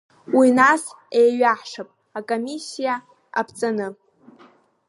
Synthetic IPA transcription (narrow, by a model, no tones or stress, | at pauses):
winas | ejɥaħʂapʼ | akʼomisːija | a̰pʰt͡sʼanɨ